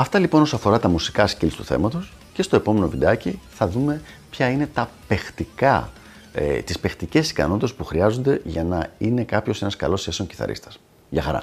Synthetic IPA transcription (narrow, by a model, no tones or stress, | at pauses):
ɐft̪ɐlipo̞no̞soɐfo̞ɾɐt̪ɐmusi̥kɐscilst̪uθḛmɐt̪o̞s | ce̞st̪o̞e̞po̞me̞no̞vid̪ɐciθɐðume̞ | pçɐine̞t̪ɐpe̞xt̪ikɐ | ḛt̪ispe̞xt̪ice̞si̥kɐ̰no̞t̪it̪spuxɾiɐzo̞nd̪e̞ʝɐnɐine̞kɐpço̞se̞nɐskɐ̰lo̞sçe̞soɲci̥θɐ̰ɾʔḭst̪ɐ̥s | ʝɐxɐɾɐ̰